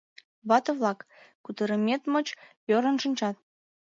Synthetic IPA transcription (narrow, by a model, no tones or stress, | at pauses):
βɑt̪ɤ̆βlɑkː | ut̪ə̆ɾə̆mʲet̪mot͡ɕjoɾə̆nʃənʲt͡ɕɑt̪̚